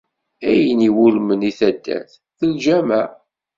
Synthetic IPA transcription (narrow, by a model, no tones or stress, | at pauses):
æjəniwulməniθæd̪ːæ̰θ | θəlʒæmæ